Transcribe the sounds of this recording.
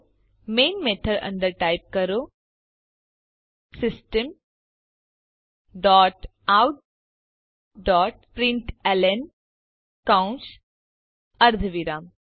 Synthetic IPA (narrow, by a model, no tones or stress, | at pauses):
meːnmet̪ʰəɖɐ̰̃ɳɖəɾʈaːjp̚kɐɾo | sɪsʈəm | ɖɔːʈ | awʈ | ɖɔːʈ̚pɾɪ̃ɳʈelen | kãns | ɐɾd̪ʱʋiɾaːm